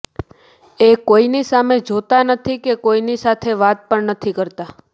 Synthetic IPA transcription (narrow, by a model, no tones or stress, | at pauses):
ekoinisamed͡ʒot̪anət̪ʰikekoinisat̪ʰeʋat̪̚pəɳnət̪ʰikəɾt̪a